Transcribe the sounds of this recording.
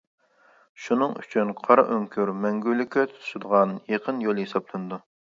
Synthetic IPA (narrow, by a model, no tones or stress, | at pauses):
ʃunɨŋy̰t͡ʃʰynqʰɑɾɑ̰ʔøŋkʲʰyɾmɛŋɡʲylykʲʰːɛt̪ʰu̥t̪ʰʃɪd̪əʁɑnjeqʰənjolˠjesɑblˠɨnɨd̪u